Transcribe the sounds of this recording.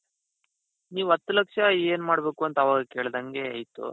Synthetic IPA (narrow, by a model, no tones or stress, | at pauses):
niːʋuɐt̪ːulɐkʂɐeːnmaːɽbe̞ːkuɐnt̪ɐɐʋaːɡɐke̞ːɭd̪ɐŋɡe̞ɐjt̪ṵ